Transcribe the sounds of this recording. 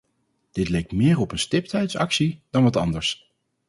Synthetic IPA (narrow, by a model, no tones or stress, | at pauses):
d̥ɪtlejk̚tmɪːɹɔpənstɪptɛjtsɑksid̥ɑnʋɑtɑndəɹs